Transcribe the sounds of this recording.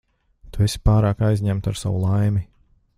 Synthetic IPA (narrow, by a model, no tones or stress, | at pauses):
t̪uɛsi̥paːɾaːkajzʲɲæmt̪aɾsa̰wṵlˠajmi